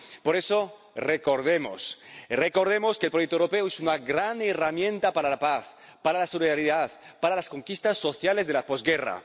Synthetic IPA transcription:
po̞ɾe̞so | reko̞ɾðemo̰sreko̞ɾðemo̞skelpɾojek̚t̪owɾope̞oesunaɡɾaneramjẽ̞nt̪apaɾalapaθ | paɾalasoliðaɾiðaðpaɾalasko̞ŋkist̪asːo̞θjale̞zðelapozɡera̰

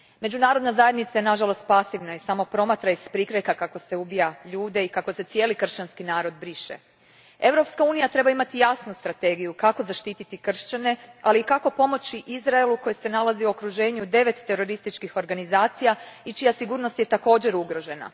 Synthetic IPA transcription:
me̞d͡ʒunaːɾo̞d̪nazaje̞d̪nit̪sajenaʒalˠo̞st̪̚pasiʋnaisamo̞pɾo̞mat̪ɾaispɾikɾekakako̞se̞ubijaʎuːd̪e̞ikako̞se̞t̪sje̞ːlikr̩ʃt͡ɕanskinaːɾo̞d̪bɾiʃḛ | e̞ʋɾo̞pskauːnijat̪ɾe̞baimat̪ijasnust̪ɾat̪e̞ːɡijukako̞zaʃt̪it̪it̪ikr̩ʃt͡ɕane̞aliːkako̞po̞mo̞t͡ɕiʔizɾaeluko̞jese̞nalˠaziuo̞kɾuʒe̞ːɲud̪e̞ʋe̞t̪ːe̞ɾo̞ɾist̪it͡ʃkixo̞ɾɡanizaːt̪sijait͡ʃijasiɡuːɾno̞st̪je̞t̪ako̞ːd͡ʑe̞ɾuɡɾo̞ʒe̞na̰

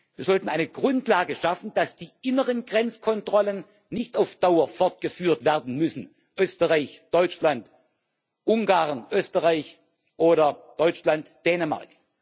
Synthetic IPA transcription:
viːɐzɔltn̩ʔaɪnəɡʁʊntlaːɡəʃafn̩d̥asd̥iːʔɪnəʁənɡʁɛnt͡skʰɔntʁ̥ɔlənː | ɪçtaʊfd̥aʊɐfɔɐt̚ɡ̥əfyːɐtv̥eːɐdn̩mʏsn̩ | ʔøːstəʁaɪçd̥ɔʏt͡ʃlant | ʔʊŋɡaːʁnʔøːstəʁaɪç | ʔoːɾɐd̥ɔʏt͡ʃlantd̥ɛːnəma̰ɐk

